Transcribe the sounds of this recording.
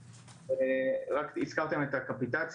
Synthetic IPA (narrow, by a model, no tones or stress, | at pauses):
eʁakit͡skaʁt̪e̞met̪akapit̪at͡s